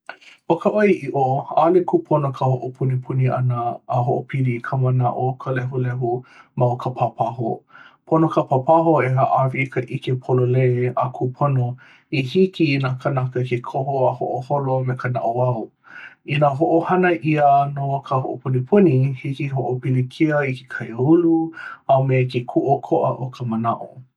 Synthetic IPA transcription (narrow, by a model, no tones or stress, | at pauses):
okəʔojʔiʔoalekʰupʰonokʰəhoʔopʰunipʰuniʔɐ̰nəːɦoʔopʰilikʰəmɐnaʔokʰəlɛɦulɛɦumɐokʰəpʰapʰaɦo̰pʰonokʰɐpapaɦoeɦaʔavikʰəʔikepʰololeakʰupʰono | ihikinaːkɐnakəkekʰohoaho̰ʔoholomekʰəna̰ʔoaw | inaɦoʔohɐnəʔiənokʰəɦo̰ʔopʰunipʰunihikiɦoʔopilikʰiəikʰe̥kʰajuluɐwmekekʰuʔokʰoʔə̰ʔokʰəmənaʔo̰